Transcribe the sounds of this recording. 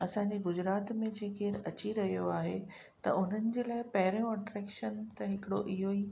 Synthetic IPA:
ɐsãːɲd͡ʑeɡʊd͡ʑɪɾaːt̪mẽd͡ʑeːkeːɾɐt͡ɕiɾɐɦijoaːɦe | t̪ɐ̰ʊn̤ənɪ̆d͡ʑeːlaːɪpɐɦɪɾjõɐʈɾɛːkʃənt̪ɐɦɪkɪɽoʔɪɦoiː

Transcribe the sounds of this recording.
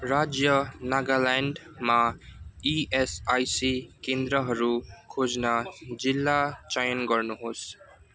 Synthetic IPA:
ɾad͡zjʌnaɡalaɳɖ | maiesajsikẽnd̪ɾʌɦʌɾukʰod͡znad͡zilːat͡ʃajʌnɡʌɾnuɦos

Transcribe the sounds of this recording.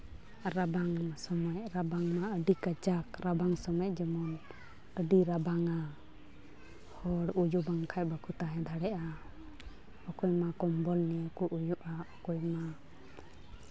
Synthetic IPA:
ɾabaŋmsɔmajɾabaŋmaəɖikat͡ʃakɾabaŋsɔmɛjd͡ʒɛmɔn | əɖiɾabaŋa | hɔɽud͡ʒubaŋkʰaj̚bakʰut̪aɦɛ̃d̪ʱaɽɛʔa | ɔkɔjmakɔmbɔlnɛkuʔujuʔaɔkɔjma

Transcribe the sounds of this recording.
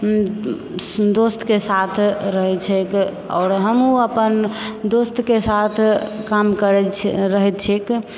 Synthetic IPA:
d̪ost̪kesat̪ʰɾəɦɛt͡ʃʰɛk | ɔ̰ːɾɦəmuəpənd̪ost̪kesat̪ʰkamkəɾɛɾəɦɛt̪t͡ʃʰek

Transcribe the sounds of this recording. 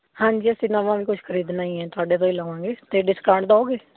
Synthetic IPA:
hãːɲd͡ʒiːəsĩːnaʋãːʋiːkʊt͡ʃʰkʰəɾiːd̪naːĩːɛ̃ːt̪ʊaːɖeːt̪õːiːləːʋãːŋɡeːt̪eːɖɪskãːɳɖd̪aːoːɡeː

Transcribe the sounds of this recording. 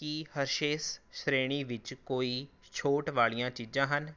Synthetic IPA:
kihəɾʃeːsʃɾeːɽ̃iːʋɪt͡ʃkoːiː | t͡ʃʰoːʈʋaːɭijãːt͡ʃiːd͡ʒãːɦən

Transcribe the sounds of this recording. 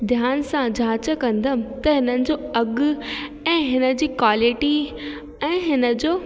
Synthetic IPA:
d̪ʱjaːnsãd͡ʑʱaːt͡ɕəkɐ̃nd̪əmɪ̆t̪ɐɦɪnənɪ̆d͡ʑoːɐɡ | ɛ̃ːɦɪnə̆d͡ʑiːkwaːlɪʈi | ɛ̃ːɦɪnə̆d͡ʑoː

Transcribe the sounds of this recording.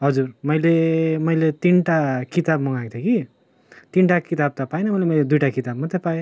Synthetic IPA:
ɦʌd͡zurmʌjlemʌjlet̪inʈakit̪ab̚mʌŋaɡ̚t̪ʰeki | t̪inʈakit̪ab̚t̪apajnʌmʌjlemʌjled̪ujʈakit̪ab̚mʌt̪ʰepaje

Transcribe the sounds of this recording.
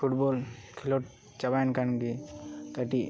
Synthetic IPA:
fʰuʈbɔlkʰilɔʈ | t͡ʃabajnkankit̪aʈi

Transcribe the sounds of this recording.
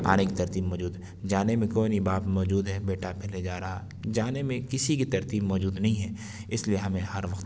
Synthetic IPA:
a̰ːnekit̪ɐɾt̪iːbmɔːd͡ʒuːd̪ɦɛ | d͡ʒaːnemẽkɔːnibaːpmɔːd͡ʒuːd̪ɦɛbeːʈapɛɦled͡ʒaːɾɐɦa | d͡ʒaːnemẽkɪsikit̪ɐɾt̪iːbmɔːd͡ʒuːd̪nɐɦĩɦɛː | ɪslieɦɐmẽhɐɾʋɐkt̪

